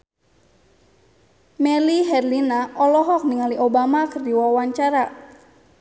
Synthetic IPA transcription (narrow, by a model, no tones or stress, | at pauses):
mɛliɦɛrlinaʔɔlɔɦɔk̚niŋaliʔobamakɨrdiwawaɲt͡ʃaɾa